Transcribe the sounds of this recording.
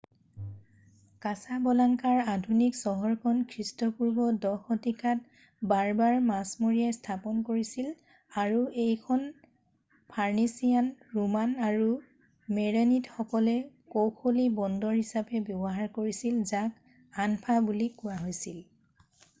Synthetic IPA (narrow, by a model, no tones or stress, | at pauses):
kasabɔlaŋkaɹadʱuniksɔɦɔɹkʰɔnkʰɹistɔpuɹbɔdɔxɔtikʰat | baɹbaɹmasmoɹijajstʰapɔnkoɹisil | aɹuejkʰɔn | pʰaɹnisijanɹumanaɹu | meɹenitxɔkɔlɛ | kowkʰolibɔndɔɹhisapɛbjɔbɔɦaɹkoɹisilzak | anpʰabulikʊɹaɦojsil